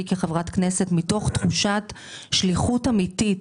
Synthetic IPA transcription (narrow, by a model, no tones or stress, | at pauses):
ikeχevʁatkne̞setmito̞χtχuʃat | ʃliχutamitit